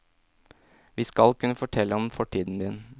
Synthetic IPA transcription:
ʋiːskɑlkʉnəfɔʈʰɛlːəɔmfɔʈʰiːd̪n̩d̪ɪn

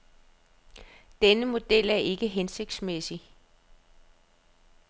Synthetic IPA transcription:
d̥enəmo̝d̥el̰æɐʔe̝ɡ̥əɦense̝ɡ̥̚d̥smesi

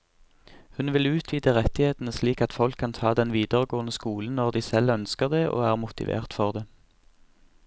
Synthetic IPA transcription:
hʉnʋɪlʉːt̪ʰʋiːd̪əʁɛt̪ɪheːt̪nəsliːkɑt̪fɔlkʰːɑnt̪ʰɑːd̪ɛnʋiːd̪əʁəɡoːənəskuːln̩nɔʁd̪iːsɛlœnskəʁd̪eːʔo̰ːæːʁmʊt̪ɪ̰ʋḛːʁt̪fɔʁd̪eː

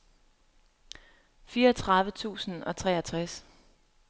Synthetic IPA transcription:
fiːɐt͡sʰʁɑ̈ðʋət͡sʰṵːsn̩ɒ̽t͡sʰʁɛ̰ːæt͡sʰʁas

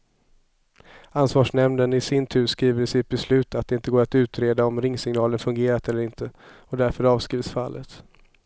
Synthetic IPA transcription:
ansvɑːʂnɛmnənɪsɪnt̪ʰʉ̟ːskɾiːvəɾsɪt̪̚bɛslʉ̟ːt̪at̪̚d̪ɛɪnt̪əɡoːɾat̪ʉ̟ːt̪ɾeːd̪aɔmɾɪŋːsɪŋnɑːlənfɵŋɡeːɾat̪ɛlːəɾɪnt̪ʰəɔd̪æɾfœɾɑːvskɾiːvsfa̰lːət̪

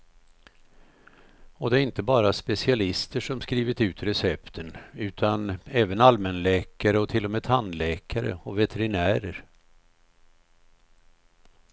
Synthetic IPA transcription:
ɔd̪ɛæɾɪnt̪əbɑːɾaspɛsɪalɪst̪əʂɔmskɾiːvɪt̪ʉ̟ːt̪ɾɛsɛpt̪ʰənʉ̟ːt̪ʰanɛːvənalmənlɛːkaɾəɔt̪ʰɪlːɔmeːd̪ʰanlɛːkʰaɾə̰ɔvɛt̪ʰɛɾɪnæːɾəɾ

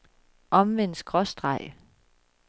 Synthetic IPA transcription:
ʔɒ̽mʋen̰sɡ̥ʁɒ̽sd̥ʁɑ̈ɪ̰

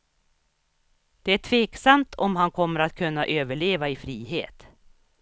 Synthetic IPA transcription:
d̪̥ɛæʈʰveːksamt̪ʰɔmɦankʰɔmːəɾat̪̚kʰɵnːaʔøːvəɭeːvaɪfɾiːɦḛːt̪

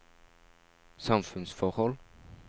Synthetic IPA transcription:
sɑmfʉnsfɔʁhɔl

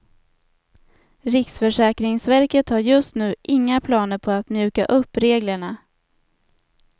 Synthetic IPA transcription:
ɾɪksfœʂɛːkɾɪŋsvæɾkət̪haɾjɵst̪nʉ̟ːʔɪŋːapʰlɑːnəɾpʰɔat̪mjʉ̟ːka̰ʔɵpːɾeːɡləɳa

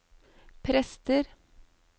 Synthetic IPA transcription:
pʰɾɛst̪əɾ

